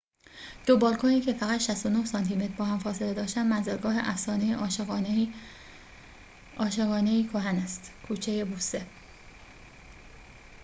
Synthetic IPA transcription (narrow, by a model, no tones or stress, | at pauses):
d̪̥obɒːlkʰoniːcʰe̞fæɣæt̪ʃæst̪onohsɒːnt̪ʰime̞t̪ʰɾbɒːhæmfɒːse̞le̞d̪ɒːʃt̪ænmænzæɾɡɒːɦeʔæfsɒːnejeʔɒ | ʔɒːʃe̞ɣɒːne̞iːkʰoɦænæst̪kʰuːt͡ʃʰejebuːse